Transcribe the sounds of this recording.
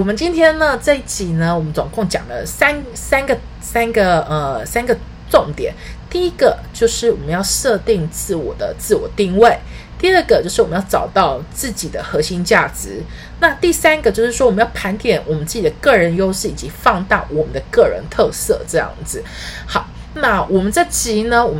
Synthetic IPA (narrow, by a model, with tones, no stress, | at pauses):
wɔ˨˩mə˦nt͡ɕi˥nt̪ʰjɛ˥nnə˨t͡sa˥˧ɪi˥˩t͡ɕi˨˩nə˨wɔ˨˩mə˦nt͡sʊ˨˩ŋkʊ˥˩ŋt͡ɕjɑ̰˨˩ŋd̪ə̰˦sa˥n | sa˥nɡə˨ | sa˥nɡə˨ə˩sa˥nɡə˨ | ʈ͡ʂʊ˥˩ŋt̪jɛ̰˨˩˦nt̪i˥˩i˥ɡ̥ə˨t͡ɕjo˥˧ʊʂɻ̩˥˩wɔ˨˩mə˦njɑ˥˧ʊʂɤ˥˧t̪i˥˧ŋt͡sɹ̩˥˩wɔ̰˨˩d̪ə̰˦t͡sɹ̩˥˩wɔ̰˨˩t̪i˥˧ŋwe˥˩ɪt̪i˥˧ə˥˩ɡə˩t͡ɕjo˥ʊʂɻ̩˥˩wɔ˨˩ə˦jʈ͡ʂɑ˨˩ʊt̪ɑ˥˩ʊt͡sɹ̩˥˩t͡ɕi˨˩d̪ə˦xɤ˧˥ɕi˥ŋt͡ɕja˥˩ʈ͡ʂɻ̩˧˥˦ | na˥˧t̪i˥˩sa˥nɡə˨t͡ɕjo˥˧ʊʂɻ̩˥˩wɔ˥wmə˦jɑ˥˩ʊpʰa˧˥nt̪jɛ˨˩nwɔ˨˩mə˦nt͡sɹ̩˥˩t͡ɕi˨˩ə˦kɤ˥˩ɻə˧˦˥njo˥ʊʂɻ̩˥˩i˨˩t͡ɕi˧˥˦fɑ˥˧ŋt̪a˥˩ʊwɔ˨˩mə˦nd̪ə˧kɤ˥˩ɻə̰˧˥nt̪ʰɤ˥˧sɤ̰˥˧ʈ͡ʂɤ˥˧jɑ̰˥˩ŋd͡zɹ̩˨˩ | xɑ˨˩˦ʊ | na˥˩wɔ˨˩mə˦nʈ͡ʂɤ˥˩t͡ɕi˧˥nə˧wɔ˨˩m